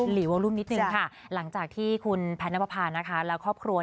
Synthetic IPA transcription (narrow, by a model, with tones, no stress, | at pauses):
liː˩˦waː˧lu˥˩mni˦˥t̪̚nɯ˨ŋkʰa˥˩ | la˩˦ŋt͡ɕaː˨˩k̚t̪ʰiː˥˩kʰu˧npʰɛː˧˦˥nːa˦˥pʰa˧pʰaː˧nːa˦˥kʰa˦˥lɛː˦˥wkʰɔː˥˩p̚kʰɾu˧ɐ